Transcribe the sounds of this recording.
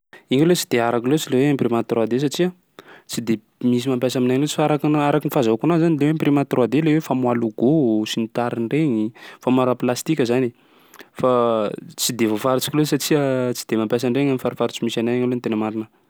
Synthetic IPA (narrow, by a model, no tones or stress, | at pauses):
iŋalet͡si̥d̪eaɾakilot͡sileweamprimat̪road̪es̬aʈ͡ʂia | t͡sid̪e | mis̬imampjasaminaɲlot͡si̥faɾakinaɾakinifazaakunazanilewemprimat̪rwad̪elewefamwaluɡosinit̪aɾiɳɖ͡ʐeɲifamaɾaplast̪ikʲəzani | fat͡sid̪evofaɾit͡si̥kilesaʈ͡ʂiət͡si̥d̪̥emampjas̬aɳɖ͡ʐeŋamifaɾifaɾit͡simisanajaŋalont̪enəmaɾinə